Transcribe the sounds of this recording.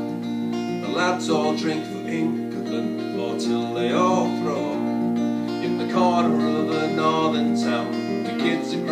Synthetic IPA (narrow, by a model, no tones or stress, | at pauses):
nðəladzɔlˠdɹɪ̃ŋkðəɪ̃ŋkəðə̃n | fətʰɪlˠðeɪəθɹɔ | ɨ̃nðɨkʰɑɹdəə˞ʌvənɔɹðə˞ntʰãʊ̃n | ðɨkʰɪdzɨ̃n